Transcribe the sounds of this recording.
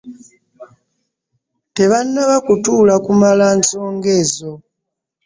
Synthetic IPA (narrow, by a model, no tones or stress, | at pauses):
te̞βanːaβakutuːlakumalaːnso̞ːŋɡe̞ːzo̞